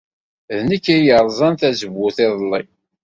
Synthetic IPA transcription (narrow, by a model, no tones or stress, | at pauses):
ðnikːæjəɾˤzˤɑnθæzəβːʊθɪðˤlˤːḭ